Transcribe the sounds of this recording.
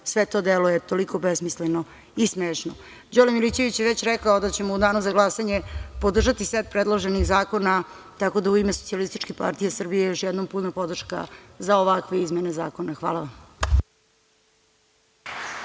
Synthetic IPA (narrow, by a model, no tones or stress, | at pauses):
sʋet̪o̞d̪elojet̪o̞liko̞besmisleno | ismeːʃno | d͡ʑolemilit͡ɕe̞ʋit͡ɕjeʋet͡ɕɾɛkaod̪at͡ɕemo̞ud̪aːnuzaɡlˠasaɲe̞pod̪r̩ʒat̪iset̪̚pɾed̪lˠoʒenixzaːko̞na | t̪ako̞d̪auimesot̪sialist̪it͡ʃkepa̰ɾt̪ijesr̩bijejoʃjɛd̪nomput̪napo̞d̪r̩ʃka̰zaoʋakʋe̞izmeneza̰ːko̞naxʋa̰ːlˠaʋam